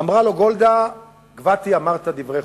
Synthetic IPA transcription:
amʁalo̞ɡo̞ld̪a | ɡvat̪iamaʁt̪ad̪ivʁe

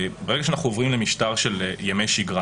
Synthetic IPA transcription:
beʁeɡaʃeanaχuovʁimlemiʃtaʁʃeljemejʃiɡʁa

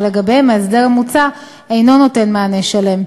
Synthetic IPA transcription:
leɡabemeesdeʁamut͡sa | ejno̞no̞te̞nmaːneʃale̞m

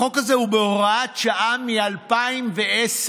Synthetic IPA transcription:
o̞kazeubeoʁaatʃaʔamialpaimvees

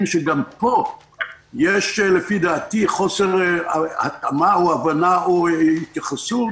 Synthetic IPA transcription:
mʃeɡampo̞ | jeʃlefid̪aːt̪iχo̞seʁha̰t̪amaoavanaohit̪jaχasu

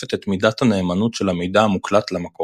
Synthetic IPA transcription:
et̪et̪midathane̞ːmanutʃelamejdaːmuklat̪lamako

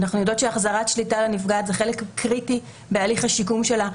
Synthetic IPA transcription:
naχnujodo̞tʃeaχzaʁatʃlitalanifɡatzeχe̞lekkʁiti | bealiχhaʃikumʃe̞la

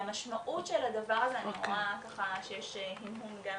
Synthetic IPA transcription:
maʃmaʔutʃelad̪avaʁazeanimakaχaʃejeʃehinɦumɡa

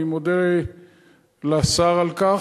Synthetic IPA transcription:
imod̪eʁe | lasaʁalka

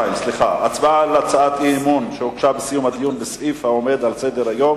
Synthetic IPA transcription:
imsliχaat͡sbaalat͡saat̪imunʃeokʃabesijumhad̪ijunbesʔifhaome̞d̪alsed̪eʁajo̞m

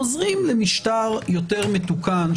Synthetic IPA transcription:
ozʁimlemiʃtaʁjo̞te̞ʁmet̪ukan

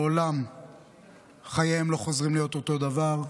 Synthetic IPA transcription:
olam | χajejemlo̞χo̞zʁimlijo̞t̪ot̪o̞d̪avaʁ

